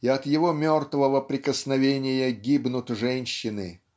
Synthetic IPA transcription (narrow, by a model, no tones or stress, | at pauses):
iɐt̪jɪvomʲo̞rt̪vəvəpɾʲɪkəsnɐvʲenʲɪjəɡʲibnʊt̪ʐɛnʲɕːɪnɨ̰